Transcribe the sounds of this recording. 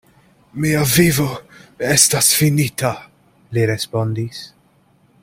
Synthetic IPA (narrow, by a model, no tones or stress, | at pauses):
miavivoɛst̪asfiniːt̪a | liɾɛspɔnd̪is